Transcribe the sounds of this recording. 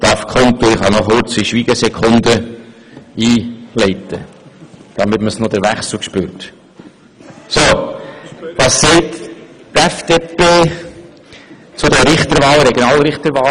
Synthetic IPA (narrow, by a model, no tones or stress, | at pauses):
d̪̥ɑfkʰɔnt̪uɪχhɑnɔχʊɾt͡siʃʋiːɡ̥əsɛkʰʊnd̪ə | iːlɛɪt̪ə | d̥ɑmɪtməsnod̥̪əɾʋæχslkʃpøːɾt | so | vɑːsːɛɪt | tɛfd̥̪epeː | t͡sʊd̪əɾɪχt̪əɾʋɑːlɾɛɡjonɑːlɾɪχt̪əɾʋɑː